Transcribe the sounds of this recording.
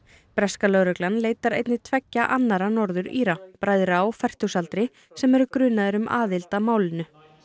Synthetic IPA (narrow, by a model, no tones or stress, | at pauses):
pɾɛskalœɣɾœklanleːjt̪aɾḛjt̪nɪt̪ʰvɛcːaʔanːaɾanɔɾðʏɾiːɾapɾaːjðɾaːwfɛr̥t̪usalt̪ɾɪ | sɛmɛɾʏkɾʏːnaðɪɾʏmʔa̰ːðɪlt̪amaːwlɪnʏ